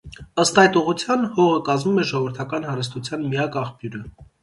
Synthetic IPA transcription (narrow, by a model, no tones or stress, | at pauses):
əst̪ɑjt̪uʁut͡sʰjɑnhɔʁəkɑzmumɛʒɔɔvəɾt̪ʰɑkɑnhɑɾəs̬t̪ut͡sʰjɑnmiɑkɑχpjuɾə